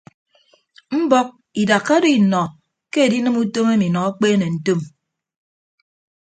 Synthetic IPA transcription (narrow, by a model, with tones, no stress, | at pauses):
m̩˦bɔ˦k̚ | i˨da˨kːa˦do˦i˨nɔ˨ | ke˦e˨di˦nɨ˦mu˦to˦me˦mi˨nɔ˨a˦k͡peː˦ne˨n̩˨to˦m